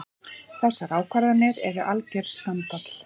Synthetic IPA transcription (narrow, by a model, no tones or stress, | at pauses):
θɛsːaɾaːwkʰvaɾðanɛɾɛɾʏʔalcɛɾ̥svant̪at̪l̥